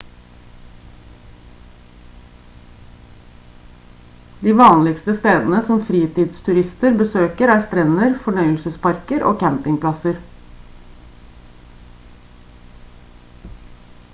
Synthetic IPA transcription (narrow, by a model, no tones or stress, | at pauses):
d̪iːʋɑːnlɪkst̪əst̪eːd̪ənəsɔmfɾiːt̪iːd̪st̪ʰʉɾɪst̪əɾbəsøːkəɾæːɾst̪ɾɛnəɾfɔɳœʏəlsəspɑɾkəɾʔo̰ːkʰæmpɪŋpʰlɑsəɾ